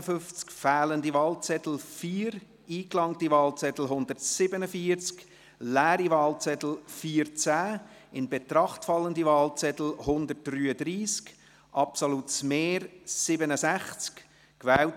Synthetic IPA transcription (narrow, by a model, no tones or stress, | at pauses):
fʏft͡skfæːləndivɑːlt͡sɛtl̩fiːɾ | iːklɑŋtivɑːlt͡sɛt̪l̩ɦʊnd̥̪ərtsɪbənəfiːəɾt͡sk | læːɾiʋɑːlt͡sɛt̪l̩fiːɾt͡sæː | ɪnbet̪ɾɑχtfɑlːəndivɑːlt͡sɛt̪l̩hʊnd̪ət̚d̥ryːədɾiːsk | ʔɑpsolutsmeːɾsɪbənəsæχt͡sk | kʋɛːl